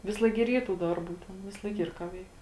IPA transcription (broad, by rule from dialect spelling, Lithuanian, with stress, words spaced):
ˈʋʲɪsˌlˠɐɪk ɡʲɪ ɪr ˈiːr tuː ˈdɐrˌbuː ˈtʲɛn ʋʲɪsˈlˠɐɪk ˈiːr kɑː ˈʋʲɛɪk